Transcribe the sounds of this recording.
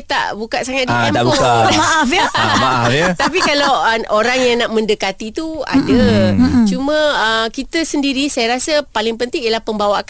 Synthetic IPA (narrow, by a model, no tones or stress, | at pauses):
t̪a̰ʔbukaʔsaŋat̪̚daammaʔafjəmaafjat̪apikalawəoɾaŋjaŋnaʔmə̃ndəkat̪it̪ua̰dət͡ʃumə̃əkit̪əsəndiɾisajaɾasəpalɪŋpənt̪ɪŋiəlahpəmbawaʔk